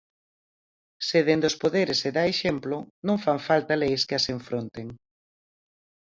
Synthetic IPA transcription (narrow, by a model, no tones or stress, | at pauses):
seðend̪ʊspoðeɾɪsːeðaeʃemplʊnõŋfaŋfalt̪ɐlejskɪaseɱfɾont̪eŋ